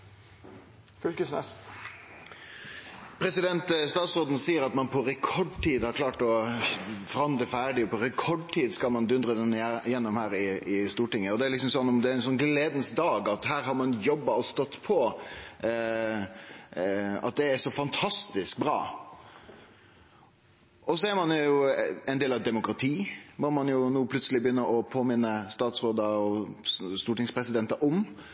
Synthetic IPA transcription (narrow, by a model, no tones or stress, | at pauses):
fʏlkəsnɛ̰s | pʰɾɛsɪd̪ɛnt̪st̪ɑːt̪sɾoːd̪n̩siːəɾɑt̪mɑnpʰɔɾɛkʰɔɖt̪ʰiːd̪hɑɾkʰlɑːʈɔ | fɔɾɑnd̪ləfæːɖɪɔpʰɔɾɛkʰɔɖt̪ʰiːd̪skɑmɑnd̪ʉnd̪ɾəd̪ɛnjɛnːɔmhæːɾɪɪst̪uːʈɪŋːəɔd̪ɛæːɾlɪksɔmsɔnːɔmd̪ɛæɪnsɔnɡleːd̪n̩sd̪ɑːɡɑt̪hæːɾɦɑɾmɑnjɔbːɑɔst̪ɔt̪ːpʰɔ | ɑ̰t̪̚d̪ɛæʂɔfɑnt̪ʰɑst̪ɪsk̚bɾɑ̰ː | ɔsɔæɾmɑnjʊjʊɛɪnd̪eːlɑʋd̪ɛmʊkɾɑt̪ʰiːmɔmɑnjʊnuːpʰlʉt̪səlɪbəjʏnːəʔɔpʰoːmɪnːəst̪ɑːt̪sɾoːd̪ɑɔst̪uːʈɪŋspʰɾɛsɪd̪ɛnt̪ɑʔɔm